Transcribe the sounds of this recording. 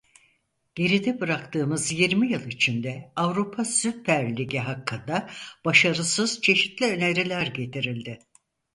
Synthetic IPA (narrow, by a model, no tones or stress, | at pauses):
ɟ̥e̞ɾid̪ɛbɯɾakt̪ʰɯːmɯzjiɾmijɯlˠit͡ʃʰind̪ɛavɾupʰasypʰæɾlʲiɟiɦakːɯnd̪ab̥aʃaɾɯsɯz̥t͡ʃʰe̞ʃit̪lʲiø̞neɾilʲæɾɟe̞t̪ʰiɾilʲd̪ɪ